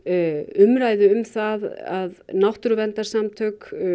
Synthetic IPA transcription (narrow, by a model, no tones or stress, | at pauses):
ʏmɾaːjðʏʏmθaðaðnawht̪ɾʏvɛnt̪aɾ̥samt̪ʰœk